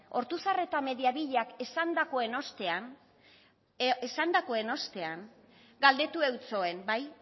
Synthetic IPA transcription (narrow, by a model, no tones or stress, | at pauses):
o̞ɾt̪usare̞t̪ame̞ðiaβiʎeakesand̪ako̞e̞no̞st̪e̞an | esand̪ako̞e̞no̞st̪e̞aŋ | ɡald̪e̞t̪ue̞wt͡so̞e̞mbaj